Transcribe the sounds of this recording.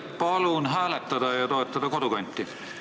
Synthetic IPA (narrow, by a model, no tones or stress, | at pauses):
pɑlunɦæːlæt̪ːæd̪ɑjɑt̪oet̪ːɑd̪ɑkot̪uɡɑnʲt̪ːi